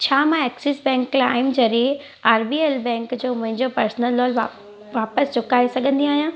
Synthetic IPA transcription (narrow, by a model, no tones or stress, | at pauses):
t͡ɕʰaːmãɛːksɪsbɛ̃ːŋkːlaːɪmd͡ʑɐɾi | aːɾbiːelbɛ̃ːŋkd͡ʑoːmʊ̃ɦɪ̃ɲd͡ʑopɐɾsnəlːɔːla | ʋaːpəst͡ɕʊkaːisɐɡʱə̃nd̪iaːɦijãː